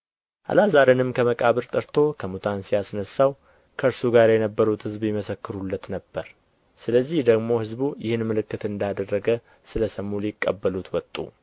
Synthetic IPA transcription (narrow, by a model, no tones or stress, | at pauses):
ʔa̰lazaɾenɨmkʰəməkʼaβɨɾt̪ʼəɾt̪ʰo̞kʰəmut̪ʰansiasnəsːaw | kʰəɨɾsuɡaɾjɛnəbːəɾut̪hɨzbjɪməsəkːɨɾulːət̪nəbːəɾ | sɨləzːihd̪əɡmo̞hɨzbujɪhɨnmɨlɨkːɨt̪ɨnd̪ad̪ərːəɡə | sɨləsəmːulɪkʼːə̰bːəlut̪wɔt̪ʼːṵ